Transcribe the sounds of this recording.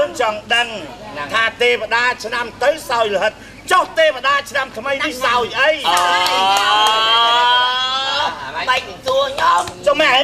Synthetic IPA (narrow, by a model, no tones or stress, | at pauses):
nt͡ɕɑŋɗəŋ | t̪ʰaːt̪eːʋaɗaːt͡ɕʰnamt̪ɨwsaɔjləɦət̪̚ | t͡ɕoht̪eːʋeɗaːt͡ɕʰnamk̪ʰməjnihsaɔjʔəjː | ɓa | tuəɲt͡ɕɔmɛʔ